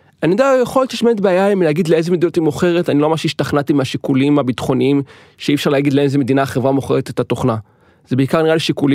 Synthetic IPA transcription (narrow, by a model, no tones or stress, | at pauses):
anijd̪ajeχoljott͡ʃiʃmeet̪beajaimlhaɡid̪leezemed̪inot̪imoχe̞ʁetaniloamaʁʃeiʃtaχnat̪imeaʃikulimabitχo̞niim | ʃeifʃaʁleaɡid̪leezemed̪inaχevʁamoχe̞ʁet̪et̪atoχna | zebeikaʁniʁaliʃikuli